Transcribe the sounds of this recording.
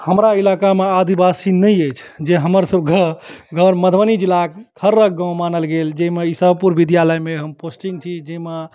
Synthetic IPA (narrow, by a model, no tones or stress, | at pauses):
həmɾailakamead̪ibasinəjəjt͡ʃʰd͡ʒeɦəməɾsəbʱkeɡʱəɾməd̪ʱənid͡ʒilakkʰəɾːək̚ɡãw̃manəlɡeld͡ʒeimeisəbʱəpuɾʋid̪jaləjmeɦəmposʈiŋɡ̚t͡ʃʰid͡ʒeima